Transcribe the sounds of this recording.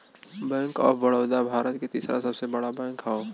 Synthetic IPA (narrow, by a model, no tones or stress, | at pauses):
bɛ̃ːŋkɔ̰ːɾbɐɽoːd̪abʱaːɾət̪ket̪iːsɾa̰sɐbsebɐɽabɛ̃ːŋkɦɛo